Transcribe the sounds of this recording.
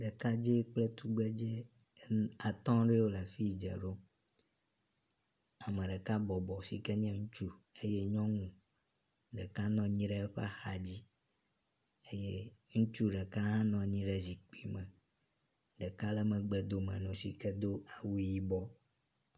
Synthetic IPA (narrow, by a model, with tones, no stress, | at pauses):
ɖɛ˨ka˦d͡ʒe˦k͡plɛ˦t̪u˦ɡ͡bɛ˦d͡ʒɛ˦ | a˨t̪ɔ̃˦ɖɛ˦wo˦la˨fi˦d͡ʒɛ̰˨ɖo˦ | a˨mẽ˨ɖɛ˨ka˦bɔ˨bɔ˨sḭ˨kɛ˦ɲɛ̃˦ŋũ˦t͡ʃu˦e˦je˦ɲɔ̃˦ŋũ˨ | ɖɛ˨ka˦nɔ̃˨ɲĩ˦ɖɛ˦ɸa̰˦xa˨d͡ʑi˦ | e˦je˦ŋũ˦t͡ʃu˦ɖɛ˨ka˦ɦã˦nɔ̃˨ɲĩ˦ɖɛ˦zi˨k͡pi˨mɛ̃˨ | ɖɛ˨ka˦lɛ˦mɛ̃˨ɡ͡bɛ˨d̪o˨mɛ̃˨nũ˨si˨kɛ˦d̪o˦a˨wu˦ji˦bɔ˦